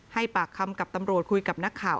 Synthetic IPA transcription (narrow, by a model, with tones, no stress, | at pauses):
ha˥˩jpaː˨˩kʰːa˧mka˨˩p̚t̪a˧mɾu˨˩ət̪̚kʰu˧jka˨˩p̚na˦˥kʰːaː˨˩wʔ